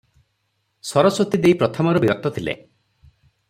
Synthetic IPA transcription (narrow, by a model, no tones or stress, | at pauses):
sɔɾɔsot̪id̪eipɾɔt̪ʰɔmɔɾɔbiɾɔt̪ːɔt̪ʰilḛ